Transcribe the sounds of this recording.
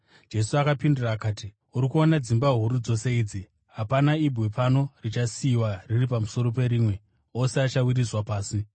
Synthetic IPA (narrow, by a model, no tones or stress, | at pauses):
d͡ʒe̞suakapinduraːkaːti | uɾikuo̞nad͡zimbaɦuɾud͡zo̞se̞iːd͡zi | ɦapanaibʱwepano̞rit͡ʃasiːwariripamuso̞ɾo̞pe̞ɾiːmwe̞ | o̞seat͡ʃawirizwapaːsi